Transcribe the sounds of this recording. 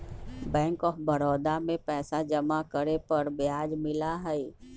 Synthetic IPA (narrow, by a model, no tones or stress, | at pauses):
bɛ̃ːŋkɔːfbəɾɔːd̪amẽpɛːsad͡ʒəmakəɾepəɾbjaːd͡ʒmɪlaɦɛi